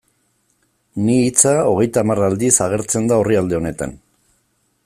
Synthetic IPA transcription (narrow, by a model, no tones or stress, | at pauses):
niːt͡sao̞ɣe̞jt̪aːmarald̪isaɣ̞e̞ɾt͡se̞nd̪ao̞riald̪e̞o̞ne̞t̪a̰n